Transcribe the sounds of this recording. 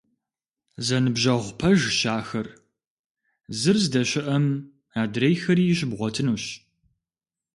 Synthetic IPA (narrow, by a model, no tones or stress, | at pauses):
zɐnɨbʑɐʁʷpʰɐʒʃaːxɐr | zɨrzdɐɕɪʔɐm | aːdrejxɐɾiːjɪɕɪbʁʷɔtʰɨnuːɕ